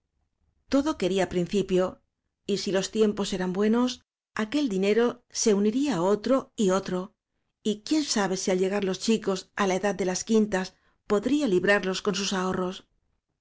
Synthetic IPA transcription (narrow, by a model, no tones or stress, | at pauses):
t̪o̞ðo̞ke̞ɾiapɾin̟θipjo̞ | isilo̞st̪je̞mpo̞se̞ɾambwe̞no̞s | ake̞ld̪ine̞ɾo̞se̞uniɾiao̞t̪ɾo̞io̞t̪ɾo̞ | ikje̞nsaβe̞sialʎe̞ɣ̞aɾlo̞st͡ʃiko̞salaeðað̚d̪e̞laskint̪as | po̞ðɾialiβɾaɾlo̞sko̞nsusao̞ro̞s